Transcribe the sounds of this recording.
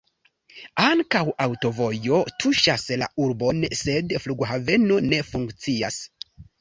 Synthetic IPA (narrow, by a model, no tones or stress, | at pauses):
aŋkawawto̞vo̞jo̞tʰuʃasla̰uɾbo̞nse̞dfluɡɦave̞none̞fuŋkt͡sia̰s